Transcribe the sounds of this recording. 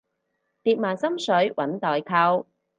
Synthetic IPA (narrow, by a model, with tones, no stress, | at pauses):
t̪iː˧t̚maː˨nsɐ˥msɵ˨˥ɥwʔɐ˨˥nt̪ɔː˨jkʰɐ˧w